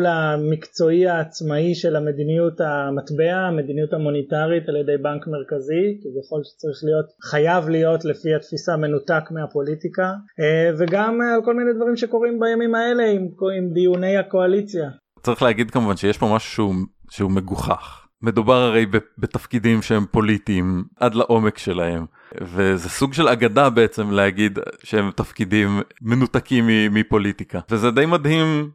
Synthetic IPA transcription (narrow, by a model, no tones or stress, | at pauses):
lamikt͡so̞iaːt͡smaiʃe̞lame̞dinijutamat̪beame̞d̪inijutamonitaʁitaljede̞jbankmeʁkazikivjaχo̞lʃe̥t͡saʁiχlijo̞tχajavlijo̞tlefihatfisame̞nutakmeapo̞litikaveɡamalko̞lmined̪vaʁimʃe̞ko̞ʁimbajamimae̞le̞imimd̪ijune̞jako̞alit͡sja | t͡saʁiχleaɡid̪̚kamuvanʃejeʃpomaʃu̥ʃuuʃeume̞ɡuχa̰χ | me̞d̪ubaʁaʁe̞jbebet̪afkid̪imʃehempo̞lit̪iːmʔad̪laʔo̞me̞kʃe̞lahe̞m | vezesuɡʃe̞laɡad̪abeet͡se̞mleaɡid̪ʃehemtafkid̪imːe̞nut̪akimːiːipo̞lit̪ikavezed̪ejmad̪him